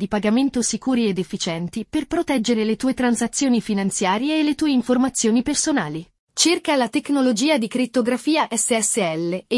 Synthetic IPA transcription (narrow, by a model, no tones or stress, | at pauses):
d̪ipaɡament̪osikuːɾied̪efːit͡ʃɛnt̪iperpɾot̪ɛd͡ʒːeɾelet̪uːet̪ɾansat̪sːjoːnifinant̪sjaːɾjeːlːet̪uːeiɱformat̪sːjoːnipersonaːli | t͡ʃerkalat̪eknolod͡ʒiːad̪ikɾit̪ːoɡɾafiːaʔɛsːeɛsːeɛlːe